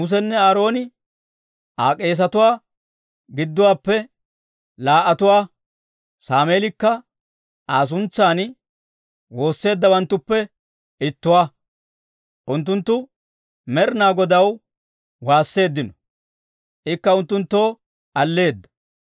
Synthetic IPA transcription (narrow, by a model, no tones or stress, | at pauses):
mʊs̬ɛnːɛaːɾo̞ːnɪ | ʔaːkʼe̞ːs̬ɐt̪ʊwaː | ɡɪd̪ːʊwaːpːɛ | laːʔɐt̪ʊwaː | saːme̞ːlɪkːɐ | ʔaːs̬ʊnt͡sːaːn | wo̞ːsːe̞ːd̪ːɐwɐnt̪ːʊpːɛ | ɪt̪ːʊwaː | ʔʊnt̪̬ːʊnt̪ːʊ | mɛɾnaːɡɔd̪ɐw | waːsːe̞ːd̪ːɪnɔ̥ | ʔɪkːɐʊnt̪ːʊnt̪ːo̞ː | ʔɐlːe̞ːd̪ːɐ̥